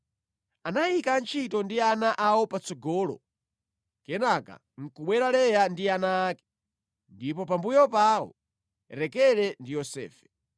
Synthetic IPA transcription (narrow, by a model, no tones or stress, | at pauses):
anajikant͡ʃʰitɔndianaʔawɔpat͡sɔɡɔːlɔ̰ | kɛnaka̰ | ŋ̩kuɓwɛɾalɛjandianaːkɛ̥ | ndip̬ɔpambujɔpawɔ̰ | ɾɛkɛlɛndijɔsɛ̰ːfɛ̥